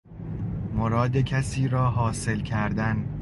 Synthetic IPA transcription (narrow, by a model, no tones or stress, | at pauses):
moɾɒːd̪e̞cʰæsiːɾɒːɦɒːse̞lcʰæɾd̪æn